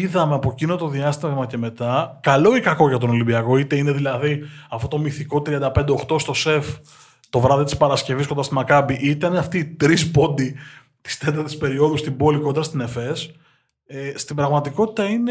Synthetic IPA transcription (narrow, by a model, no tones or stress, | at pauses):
iðɐme̞ɐpo̞cinot̪oðiɐst̪iɐɣmɐce̞me̞t̪ɐkɐlo̞ikɐko̞ʝɐt̪ono̞limbiɐko̞it̪e̞ine̞ðilɐðiɐfot̪o̞miθiko̞t̪ɾiɐnd̪ɐpe̞nd̪e̞oxt̪o̞st̪o̞se̞f | t̪o̞vɾɐðit̪i̥spɐɾɐsce̞viskond̪ɐst̪imɐkɐbiʔit̪ɐneɐft̪it̪ɾispo̞nd̪i | t̪i̥st̪e̞t̪ɐɾt̪i̥spe̞ɾio̞ðust̪ibo̞liko̞nd̪ɾɐst̪ine̞fe̞s | est̪ibɾɐɣmɐt̪iko̞t̪i̥t̪ɐine